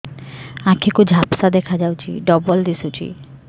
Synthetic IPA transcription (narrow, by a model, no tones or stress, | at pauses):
ãkʰekud͡ʑʱapsad̪ɛkʰad͡ʑawt͡ʃʰḭɖɔbold̪isut͡ʃʰḭ